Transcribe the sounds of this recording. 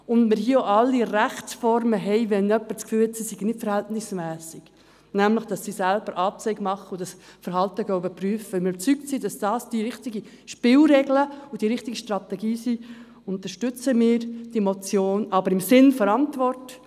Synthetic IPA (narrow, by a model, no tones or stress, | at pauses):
ʊndmɪɾɦiːəoɑlːiɾæχt͡sfɔrməɦɛɪʋɛnœpːəɾt͡skfyːlɛtsisiɡnɪtfəɾhɛltnɪsmæːsɪɡ̥ | næmləχd̥ɑsːisælb̥əɾʔɑːp̚t͡sɛɪɡmɑχːəʊd̥ɑsfəɾɦɑltəɡ̥œybəpryːəfəmɪɾybə̥t͡syktsid̥ɑsd̥ɑːsd̥iɾɪχtiɡi | ʃpɪlɾɛɡləʊd̥iɾɪχtiɡəʃtɾɑt̪ɛɡiːsi | ʊnt̪əɾʃtʏt͡səmɪːɾd̥imɔt͡sjoːnɑbəɾɪmsɪnfɔɾɑntʋɔrt